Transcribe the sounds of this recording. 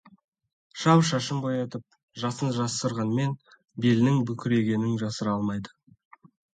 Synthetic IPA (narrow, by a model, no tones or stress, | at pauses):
ʃɑwʃɑʃəmbojɑt̪əp̚ | ʒɑsənʒɑsəɾʁɑnəme̞n | belnɪŋbʏkʲʰɪɾe̞ɡʲe̞nɪŋʒɑsəɾɑlˠmɑjd̪ə